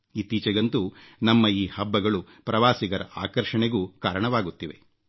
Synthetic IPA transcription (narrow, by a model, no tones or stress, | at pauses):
it̪iːt͡ʃɐɡɐnt̪unɐmːɐiːhɐbːɐɡɐɭu | pɾɐʋaːsiɡɐɾɐ̰ʔa̰ːkɐɾʂɐɳeɡuːkaːɾɐɳɐʋaːɡut̪ːiʋe̞̰